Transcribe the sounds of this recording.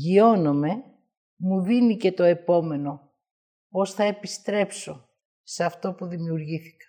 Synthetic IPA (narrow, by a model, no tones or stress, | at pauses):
ʝio̞no̞me̞ | muðinice̞t̪o̞e̞po̞me̞no̞ | po̞sθɐepist̪ɾe̞pso̞ | seɐft̪o̞puðimiuɾʝiθi̥kɐ̥